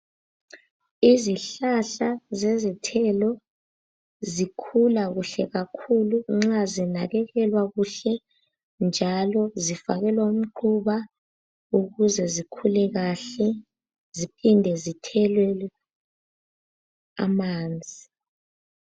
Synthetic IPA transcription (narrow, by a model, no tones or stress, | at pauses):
iziɬaɬazezitʰɛlɔ | zikʰulaɣuɬɛɣakʰuluŋ͡ǁazinaɣɛɣɛlwaɣuɬɛ | nd͡ʒʱalɔzifaɣɛlwaum̩ǃʰuβa | uɣuzɛzikʰulɛɣaɬɛ | zipʰindʱɛzitʰɛlwɛ | a̰maːnd͡zʱi